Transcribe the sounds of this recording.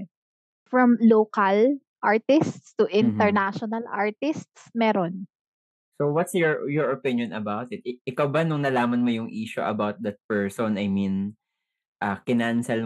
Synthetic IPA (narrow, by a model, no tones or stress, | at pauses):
fɹɐmloːkɐl | ʔaɹt̪ɪst̪st̪uʔɪ̃nt̪ɛɹnaʃɔnɐla̰ɹt̪ɪst̪smɛːɾon | sowɐt̪sjɔɹjɔɹɔpɪnjɔnɐbawt̪ɪt̪̚ʔɪkawbanʊŋnɐlaːmɐnmojʊŋʔiːʃʊʔɐ̰bawt̪̚d̪ɐt̪̚pɛɹsɔnɐjmĩn | ʔakɪnaʔɐnsɐl